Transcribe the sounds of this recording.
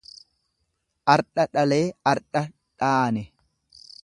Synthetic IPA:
ʔɐɾᶑɐᶑɐle̞ːɐɾᶑɐ | ᶑaːnɛ

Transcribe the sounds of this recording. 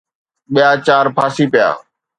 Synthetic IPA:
ɓɪjaːt͡ʃaːɾpʰaːsiːpɪja̰ː

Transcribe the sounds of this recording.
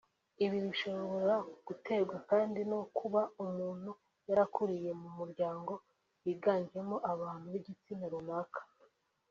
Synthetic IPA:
iβiɾiiʃo̞ββo̞ɾɾaɡ̥ute̞ɡwakaːndino̞kʰuβaumuːn̥hu | jaɾakuɾije̞mumuɾɟaːŋɡo̞ | jiːɡaːnd͡ʒie̞moʔaβaːn̥huβiɟit͡sinaɾunakḁ

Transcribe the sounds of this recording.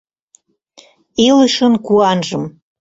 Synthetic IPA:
iləʃə̆nkuɑnʒə̆m

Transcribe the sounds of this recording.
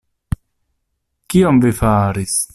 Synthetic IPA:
kiomvifaɾis

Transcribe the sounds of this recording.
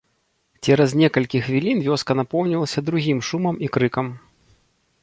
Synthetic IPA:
t͡sʲɛɾɐznʲɛkɐlʲkʲixvʲilʲinvʲɔskɐnapɔwnʲilˠɐsʲɐd̪ɾuɣʲimʂumɐmikɾɨkɐm

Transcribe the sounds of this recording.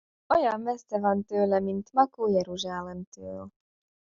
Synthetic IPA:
ojɒnmɛsɛvɒnt̪øːlɛmint̪mɒkoːjɛɾuʒaːlɛmt̪øːl

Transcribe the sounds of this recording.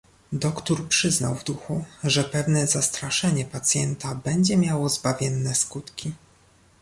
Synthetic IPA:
d̪ɔkt̪uɾpʂɘzna̰wvd̪uxuʐɛpɛvnɛzast̪ɾaʂɛɲɛpat̪sʲjɛnt̪abɛɲd͡ʑɛmʲjawɔzbavʲjɛnːɛskut̪kʲi

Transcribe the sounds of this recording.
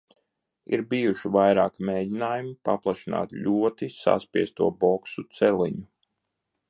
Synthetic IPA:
ḭɾbijuʃivajɾaːkmeːɟinaːjumipaplˠaʃina̰ːt̪ʎʲuɔt̪isa̰spiɛst̪uɔbɔksut̪sɛlˠiɲu

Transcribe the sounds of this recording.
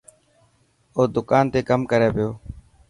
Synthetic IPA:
oːd̪ʊkaːnt̪eːkəmkəɾeːpɪjoː

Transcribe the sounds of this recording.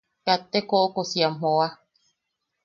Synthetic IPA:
kat̪ekoʔokosiammoa

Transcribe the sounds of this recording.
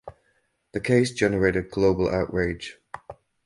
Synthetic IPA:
ðəkʰeɪsd̥ʒ̥ɛnəɹeɪtɪd̚ɡloʊbəlʔa̰ʊʔɹeɪd̥ʒ̥

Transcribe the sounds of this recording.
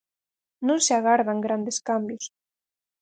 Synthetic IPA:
nũnseaɣaɾðaŋɡɾand̪eskambjʊs

